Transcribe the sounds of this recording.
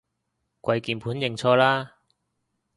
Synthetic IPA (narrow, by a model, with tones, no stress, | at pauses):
kʷwɐ˧jkiː˨˩npʰuː˨˥njɪ˨˩ŋt͡sʰɔː˧laː˥